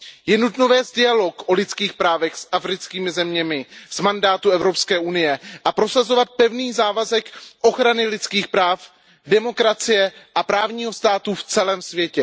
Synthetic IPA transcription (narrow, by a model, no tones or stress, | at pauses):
jɛnut̪novɛːzdɪalo̞kʔo̞lɪt͡skiːxpɾaːvɛxsʔafɾɪt͡skiːmɪzɛmɲɛmɪz̥mandaːt̪uɛvɾo̞pskɛːʔunɪjɛʔapɾo̞sazo̞vat̪̚pɛvniːzaːvazɛkʔo̞xɾanɪlɪt͡skiːxpɾaːf | dɛmo̞kɾat͡sɪjɛʔapɾaːvɲiːɦo̞st̪aːt̪uft͡sɛlɛːmsvjɛcɛ